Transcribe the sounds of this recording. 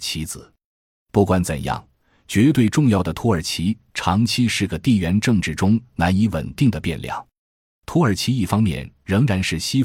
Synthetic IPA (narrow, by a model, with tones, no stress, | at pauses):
t͡ɕʰi˧˥d͡zɹ̩˨˩˦ | pu˥˩kwa˧˥nt͡sə̰˨˩njɑ̰˥˩ŋ | t͡ɕɥɛ˧˥t̪̬we˥˧ɪʈ͡ʂʊ˥˧ŋjɑ˥˩ʊd̪ə˩t̪ʰɔ˧˥ə˞˨˩t͡ɕʰi˧˥ | ʈ͡ʂʰɑ˧˥ŋt͡ɕʰi˥ʂɻ̩˥˩ɡə˩t̪i˥˩ɥɛ˧˥nʈ͡ʂɤ˥˧ŋʈ͡ʂɻ̩˥˩ʈ͡ʂʊ˥ŋna˧˥ni˧˥wə̰˨˩nt̪i˥˩ŋd̪ə˩pjɛ˥˧nljɑ̰˥˩˦ŋ | t̪ʰɔ˧˥ə˞˨˩t͡ɕʰi˧˥i˥˩fɑ˥ŋmjɛ̰˥˩nɻɤ˧˥ŋɻa˧˥nʂɻ̩˥˩ɕi˥